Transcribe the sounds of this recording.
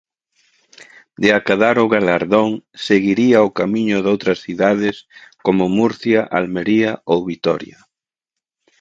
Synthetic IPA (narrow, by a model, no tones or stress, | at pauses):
d̪eakaðaɾʊɣalaɾðoŋseɣiɾiaʊkamiɲʊðowt̪ɾɐsθiðað̞ɪskomʊmuɾθjaʔalmeɾiaowβit̪ɔ̰ɾja